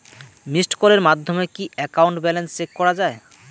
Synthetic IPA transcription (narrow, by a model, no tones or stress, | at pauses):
misʈkoɾeɾmad̪ʱːomekiʔɛkawɳʈbɛlenst͡ɕekkːɔɾad͡ʑae